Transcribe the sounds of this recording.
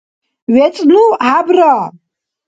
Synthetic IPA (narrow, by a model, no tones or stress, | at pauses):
ɥet͡sʼnuʕabra